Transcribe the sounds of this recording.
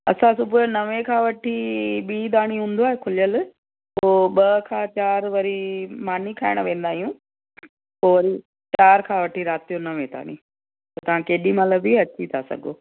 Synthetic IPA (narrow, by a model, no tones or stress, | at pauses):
ɐ̰sãsʊbʱʊnɐʋẽkʰãːʋɐʈʰiɓiːd̪aːɽ̃iɦũːn̆d̪oaːɦekʰʊlijəl | poːɓɐkʰãːt͡ɕaːɾʋɐɾimaːnikʰaːɪɽ̃ʋẽːn̆d̪aːɦijũ | poːʋɐɾi | t͡ɕaːɾkʰãːʋɐʈʰiɾaːt̪ijonɐʋẽd̪a̰ːɽ̃ḭ | ɐt̪ɐʋ̤ãkeːɗimɐləbiɐt͡ɕit̪ʰasɐ̰ɡoː